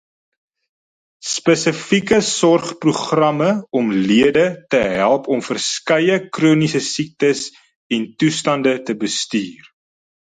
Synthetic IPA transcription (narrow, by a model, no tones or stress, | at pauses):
spəsəfikəsɔrχpruχrɐməɔmliədətəɦælˠpɔmfərskɐjəkruːnisəsik̚təs | ɛntustɐndətəbəstyːr